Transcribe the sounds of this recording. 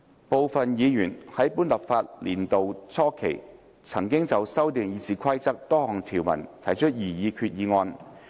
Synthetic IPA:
po˨wfɐ˨njiː˨˧jyː˨˩nhɐ˨˥jpuː˥nlɐ˨p̚faː˧t̚lḭː˨˩nt̪o˨wt͡sʰɔː˥kʰḛ˨˩j | t͡sʰɐ˨˩ŋkɪ˥ŋt͡sɐ˨wsɐ˥wt̪eː˨˩ŋjiː˨˧t͡siː˨kʰɐ˥jt͡sɐ˥k̚t̪ɔː˥hɔː˨˩ŋt̪ʰiː˨˩wmɐ̰˨˩nt̪ʰɐ˨˩jt͡ʃʰɵ˥t̚jiː˨˩jiː˨˧kʰyː˧t̚jiː˨˧ŋɔː˧n

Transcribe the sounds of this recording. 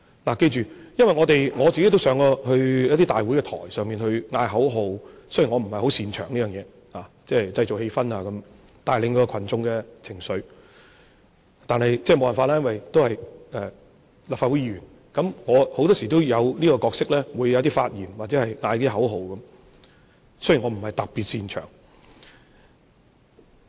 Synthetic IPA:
laː˨˩ke˧jt͡ʃyː˨jɐ˥nwɐ˨jŋɔː˨˧t̪e˨jŋɔː˨˧t͡si˨ke˥jt̪o˥wsœː˨˥ŋɔː˧hɵ˧ɥjɐ˥t̪̬iː˥t̪aː˨jwuː˨˥jkɛ˧t̪ʰɔ̰ː˨˩jsœː˨ŋmiː˨nhɵ˧ɥŋaː˧jɦɐ˨˥wɦo˨˧wso˥jŋɔː˨˧m̩˨˩hɐ˨jho˨˥wsiː˨nt͡ʃʰœː˨˩ŋliː˥œː˨ŋjɛː˨˧ | laː˨˩ | t͡sɛː˥t͡sɐ˧jt͡so˨whe˧jfɐ˥naː˨˧kɐ˨˦m | t̪aː˨jlɪ˧ŋkɔː˧˥kɔː˧kʰɐ˨˩nt͡sʊ˧ŋkɛ˧t͡sʰɪ˨˩ŋsɵ˨˧ɥ | t̪aː˨nhɐ˨jt͡sɛː˥˩mo˧wɐ˨nfaː˧laː˥jɐ˥wɐ˨jt̪o˥whɐ˨jʔɛː˨ | laː˨˩faː˧wu˨˥jiː˧ɥyː˨˩n | kɐ˨˥mŋɔː˨˧ho˨˧˥t̪ɔː˥siː˨˩t̪o˥wjɐ˨˧wliː˥kɔː˧kɔː˧k̚sɪ˥k̚lɛː˥wuː˨˧jwt̪iː˥faː˧t̚jiː˨˩nwa˨t͡sɛ˨˥hɐ˨jŋaː˧jk̪i˥ɦɐ˨˥wɦo˨˧wkɐ˨˦m | sɵ˥ji˨˩ŋɔ˨˧m̩˨˩hɐ˨˩jt̪ɐ˨k̚piː˨t̚siː˧nt͡ʃʰœ̰ː˨˩ŋ

